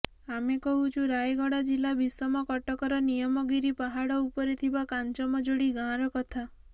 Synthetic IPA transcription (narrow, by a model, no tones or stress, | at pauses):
amekɔɦut͡ʃʰũɾajɡɔɽad͡ʒilabʱisɔmɔkɔʈɔkɔɾɔnijɔmɔɡiɾipaɦaɽɔupɔɾit̪ʰibakant͡ʃɔmɔd͡ʒoɽiɡãɾɔkɔt̪ʰa